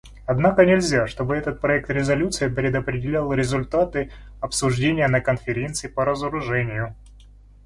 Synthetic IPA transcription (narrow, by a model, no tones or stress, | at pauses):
ɐd̪nakənʲɪlʲzʲaʂt̪o̞bɨɛt̪ət̪̚pɾɐɛk̚t̪ɾʲɪzɐlʲut̪sɨjəpɾʲɪd̪əpɾʲɪdʲɪlʲalˠɾʲɪzʊlʲt̪at̪ɨ | ɐpsʊʐdʲenʲɪjənəkənfʲɪɾʲe̞nt̪sɨɪpəɾəzəɾʊʐɛnʲɪjʊ